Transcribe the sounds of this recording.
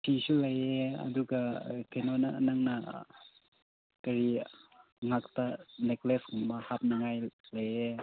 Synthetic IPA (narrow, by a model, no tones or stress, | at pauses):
sʰisulɐjeɐ̰duɡakʰenonanaŋna | kɐɾi | ŋaktanekleskuŋbahap̚naŋajlaje